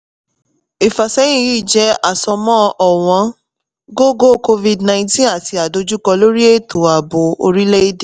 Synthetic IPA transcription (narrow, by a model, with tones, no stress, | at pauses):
i˨fa˨sɛ˦j̃ĩ˦ji˦˨d͡ʒɛ˦a˨sɔ˧mɔ̃˦ʔɔ˨w̃ɔ̃˨˧˦ | ɡo˦ɡo˦˨ko˧vi˧dnã˧ĩ˧˦tĩ˦a˦˨ti˧˦a˨do˧d͡ʒu˦kɔ˧lo˦ɾi˦e˦˨tʰo˨˦a˨bo˨o̰˧ɾi˦le˦i˦de˨